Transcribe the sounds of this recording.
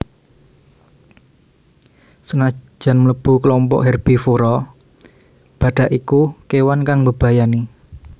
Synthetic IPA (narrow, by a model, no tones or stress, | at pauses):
sənḁd͡ʒ̥a̤nmələb̥ṳkəlɔmpɔ̰ʔɦɛrb̥ifuɾɔ | b̥ä̤ɖ̥a̤ʔikukewankaŋbəb̥ä̤jani